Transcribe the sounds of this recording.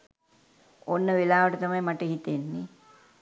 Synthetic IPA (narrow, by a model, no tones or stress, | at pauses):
onːəʋelaːʋəʈət̪ɐmɐjmaʈəɦit̪enːi